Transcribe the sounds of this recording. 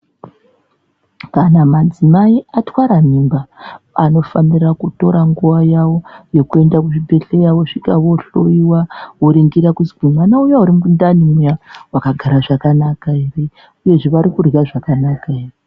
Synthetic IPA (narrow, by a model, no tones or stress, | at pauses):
kanamad͡zimaiatwaɾamimbaano̞fanirakuto̞ɾaŋɡuʋajawo̞je̞kue̞ndakuʐibʱe̞ɬejawoʂikaʋo̞ɬoiwaoɾiŋɡiɾakuziɡumanaujauɾimuundanimujawakaɡʱaɾaʐakanakairi | uje̞ʐiʋaɾikurɣaʐakanakairi